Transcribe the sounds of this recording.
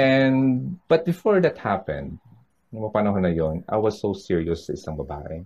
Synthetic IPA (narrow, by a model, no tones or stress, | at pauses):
ʔɛndb̥ɐt̪̚bɪfɔɹd̪ɐt̪̚hapɛ̰̃nd̪̚ | nʊŋmɐpɐnɐɦonɐjonʔa̰jwɐsːowsɪɹiosːɐʔɪsɐŋbɐba̰ːʔɛ